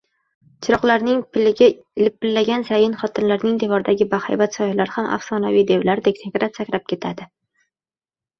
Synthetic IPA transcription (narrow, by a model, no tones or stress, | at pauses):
t͡ʃʰɪɾɒqlaɾnɪŋpʰɪlɪɡʲa | ɪlɪp̚ːɪlːaɡʲansajɪnχɒt̪ʰɪnlaɾnɪŋd̪e̞vɒɾd̪aɡʲɪbaha̰jbat̪sɒjɪlaɾɪhamʔa̰fsɒnavijd̪e̞wlaɾd̪ek̚ʲt̪ʰekʲɾat̪sakʲɾap̚kʲʰe̞t̪ʰad̪ɪ